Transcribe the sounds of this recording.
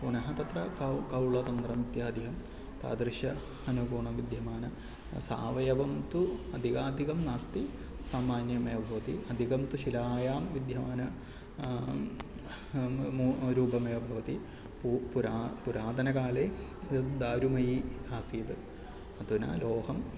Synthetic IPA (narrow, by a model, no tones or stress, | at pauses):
punɐɦɐt̪ɐt̪rɐkkɐwɭɐt̪ɐnd̪rɐmit̪jaːd̪ʱiɦɐm | t̪a̰ːd̪ɾɨɕjɐ | ɐnukuːɳɐmʋid̪ʱjɐmaːnɐ | sa̰ːʋɐjɐʋɐmt̪uɐd̪ʱiɣaːd̪ʱiɣɐmnaːst̪i | saːmaːnjɐmɐjɐbʱɐʋɐt̪iɐd̪ʱiɣɐmt̪uɕilaːjaːmʋid̪ʱjɐmaːnɐ | mɾuːbɐmɐjɐbʱɐʋɐt̪i | pupuɾaːpuɾaːd̪ɐnɐkaːle | d̪aːɾumɐjiaːsiːt̪ɨ | ɐt̪unɐ̰loːhɐm